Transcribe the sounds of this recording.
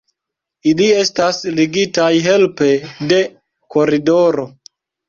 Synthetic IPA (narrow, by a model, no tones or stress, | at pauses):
ilie̞stasliɡitajɦe̞lpe̞de̞ | ko̞ɾido̞ɾo̞